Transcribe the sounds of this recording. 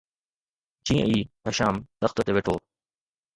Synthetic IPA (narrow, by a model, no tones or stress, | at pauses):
d͡ʑĩːə̰̃iːɦɐʃaːmt̪ɐxt̪ət̪eʋeːʈʰoː